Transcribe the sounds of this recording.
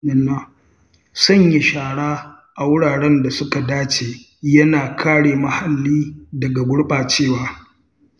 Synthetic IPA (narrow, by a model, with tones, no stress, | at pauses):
ɐ˨na˦˨ | sɐ˦˨ɲji˨ʃaː˨ɽaː˦ | ʔa˨wʊ˦ɽaː˨ɽɛ˦nda˨sʊ˦ka˨daː˦t͡ʃeː˨ | jɐ˦naː˨kʰaː˦ɽeː˨mɐ˦ha˨lːiː˦dɐ˨ɡa˨ɡʷʊ˦ɽɓaː˨t͡ʃeː˦˨waː˨